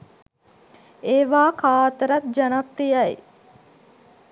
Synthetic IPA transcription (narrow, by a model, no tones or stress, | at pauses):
eːʋaːkʰaːt̪əɾɐt̪̚d͡ʒɐnɐpɾijaḭ